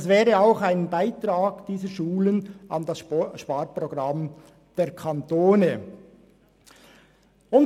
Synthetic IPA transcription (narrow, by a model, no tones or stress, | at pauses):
ɛsvɛːɾəaʊxaɪnbaɪtɾaːɡd̥iːzəɾʃuːləna̰ndasʃpaːɾproɡʁam | d̥eːɾkʰɑntoːnə | ʊn